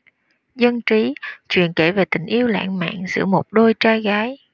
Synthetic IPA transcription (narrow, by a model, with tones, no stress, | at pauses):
zə˧nt͡ɕi˨˦t͡ɕwḭ˧˨ənke˧˩ve˨˩t̪ï˨˩ŋ̟ʔi˧əwla̰ː˧˨ŋma̰ː˧˨ŋzɨ̰˧˥əmo˨˩t̚ɗo˧jt͡ɕaː˧jɣaː˨˦j